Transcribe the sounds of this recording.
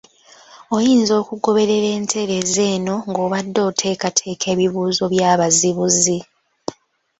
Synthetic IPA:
o̞jiːnzo̞ːkuɡo̞βe̞ɾe̞ɾe̞ːntʰe̞ɾe̞ze̞ːno̞ŋɡo̞ːβadːo̞ːtʰe̞ːkatʰe̞ːkʰe̞ːβiβuːzo̞βjaːβaziβuzi

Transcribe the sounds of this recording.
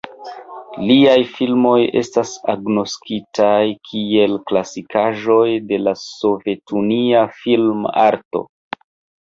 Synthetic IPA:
liajfilmo̞je̞̰stasaɡno̞skitajkʰie̞lklasikʰaʒo̞jde̞laso̞ve̞tuniafilma̰ɾto̞̰

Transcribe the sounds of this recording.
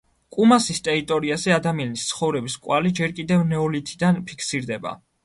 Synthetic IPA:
kʼumasist̪ʼɛɾit̪ʼɔɾiazɛad̪amianist̪sʰχɔvɾɛbiskʼwalid͡ʒɛɾkʼid̪ɛvnɛɔlit̪ʰid̪anpʰikʰsiɾd̪ɛba̰

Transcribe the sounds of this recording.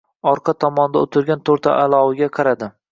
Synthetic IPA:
ɒɾqʰɑt̪ʰɒmɒnd̪aʊt̪ʰɪɾɡʲant̪ʰoɾt̪ʰa̰ʔalˠɒwɪɡʲaqʰɑɾad̪ɪ

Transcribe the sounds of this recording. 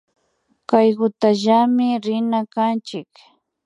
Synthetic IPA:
kajɢʊt̪aʒamɪɾɪnakant͡ʃɪk

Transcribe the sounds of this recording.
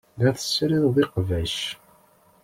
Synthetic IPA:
ðæθə̥sɾiððˤiqvæʃ

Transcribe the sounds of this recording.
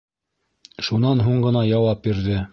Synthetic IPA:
ʃunɑnɦuɴɢɤ̆nɑjɑwɑp̚biɾðɘ

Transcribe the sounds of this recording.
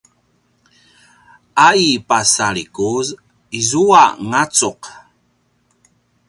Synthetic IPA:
aipasaɭikuz | izuaŋat͡suq

